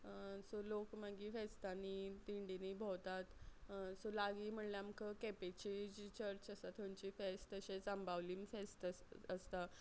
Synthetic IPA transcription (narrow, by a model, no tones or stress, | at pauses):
solokmaɡiːfest̪anit̪iɳɖiniːbʱot̪at̪solaɡiːm̤əɳljamkʰəkɛpet͡ɕid͡ʑit͡ɕəɾt͡ɕəsat̪ʰomt͡ɕiːfest̪əɕesəmbʱaʋliːmfest̪əəst̪a